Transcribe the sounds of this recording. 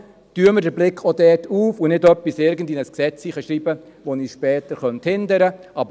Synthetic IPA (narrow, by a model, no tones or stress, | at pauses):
tyəmədəɾblɪkʰodɛːtʰuːfunɪdœpːisɪɾɡən̩dinəsksɛt͡siːχəʃɾiːbə | ʋoniːʃpɛːtəɾχœnt̪hɪndəɾə | ɑb